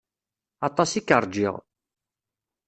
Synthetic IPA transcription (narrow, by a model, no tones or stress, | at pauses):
ɑt̪ˤːɑsikːəɾˤd͡ʒḭʁ